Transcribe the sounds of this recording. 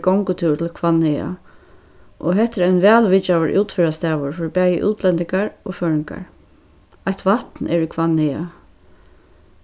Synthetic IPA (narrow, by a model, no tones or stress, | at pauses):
kɔŋkʊt̪ʰɪt̪ʰɪlkʰvanːhɪja̰ | ʔɔɦɛt̪ɪɾajnʋɛːlʋɪt͡ʃawəɹʔuːt̪fɪɾast̪ɛːʋʊɹfɪɾpɛːjəʔṵːt̪ʰlɛnt̪ɪŋkaɹɔføːɹɪŋka̰ɹ | ajht̪ʋaht̪nʔɛɹikʰvanhɪja̰